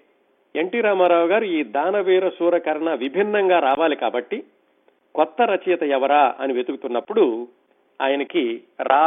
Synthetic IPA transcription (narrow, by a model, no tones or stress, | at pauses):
e̞ɳʈiːɾaːmaːɾaːʋuɡaːɾuiːd̪aːnɐʋiːɾɐsuːɾɐkɐɾɐɳɐʋibʱinːɐŋɡaːɾaːʋaːlikaːbɐʈːi | kɔt̪ːɐɾɐt͡ʃɐjɐt̪ɐɛʋɐɾaːʔɐ̰niʋet̪uɡut̪unːɐpːuɽu | a̰ːjɐnɐkiɾaː